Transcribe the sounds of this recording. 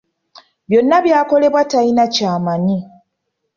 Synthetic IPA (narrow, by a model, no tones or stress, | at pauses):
bjo̞nːaβjaːko̞le̞βwatajinacaːmaɲi